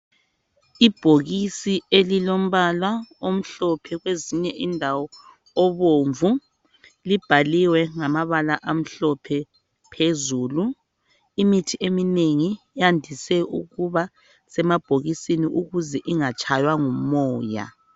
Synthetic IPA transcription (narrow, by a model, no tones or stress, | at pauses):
ib̥ʱoɣisielilom̩βalwaom̩ɬɔpʰɛɣweziɲɛʔindʱawɔː | βoɱvu | lib̥ʱaliwɛŋamaβalaʔam̩ɬɔpʰɛ | pʰezuːlu | imitʰiʔemineŋi | jandʱisɛṵɣuβa | sɛmab̥ʱoɣisiniʔuɣuzɛʔiŋat͡ʃʰʼajwaŋumɔːja̰